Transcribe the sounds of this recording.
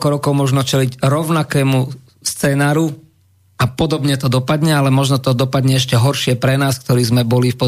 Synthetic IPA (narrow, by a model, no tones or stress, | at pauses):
kɔɾɔkɔʊmʊɔʒnɔt͡ʃɛliɟɾɔʊnakɛːmu | st͡sɛːnaːɾu | apɔd̪ɔbɲɛt̪ɔd̪ɔpad̪ɲɛalɛmɔʒnɔt̪ɔd̪ɔpad̪ɲɛɛʃcɛɦɔɾʃɪɛpɾɛnaːskt̪ɔɾiːzmɛbɔlifpɔ